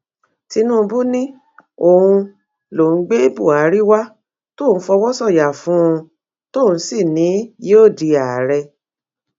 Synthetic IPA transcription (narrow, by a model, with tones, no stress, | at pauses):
ti˧nũ˦˧bu˦nĩ˦ | o˨hũ˧ | lo˨˦ɡ͡be˦e˦bu˦˨a˨˦ɾi˦wa˦ | to˦˨˦fɔ˧wɔ˦sɔ˦˨ja˨fũ˨˦ũ˧ | to˦˨n̩˦si˦˨nĩ˨˦je˦o˦˨di˧a˨ɾɛ˧